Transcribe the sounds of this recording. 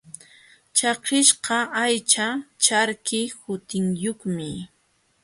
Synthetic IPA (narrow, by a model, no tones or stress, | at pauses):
t͡ʃɑqɪʃqɑajt͡ʃat͡ʃaɾkɪhʊt̪ɪŋjoχmɪ